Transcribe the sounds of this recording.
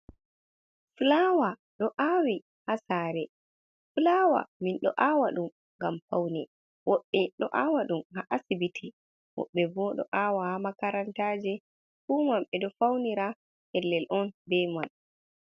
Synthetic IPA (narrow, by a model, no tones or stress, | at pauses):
flawaɗɔʔawi | hasaːɾɛ | flaːwa̰minɗɔ̰ʔawaɗum | ŋɡamfawnɛ | wɔɓːɛɗɔʔawaɗumhaʔasibitʰi | wɔ̰ɓːɛbɔɗɔ̰ʔawahamakaɾantaːd͡ʒɛ | fumamɓɛɗɔfawniɾa | hɛlːɛlʔɔnbɛjman